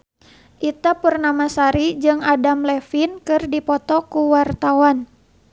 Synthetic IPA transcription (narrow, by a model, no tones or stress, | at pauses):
ʔit̪apərnamasaɾid͡ʒɨŋadamlɛfinkɨrdipɔt̪ɔkuwart̪awan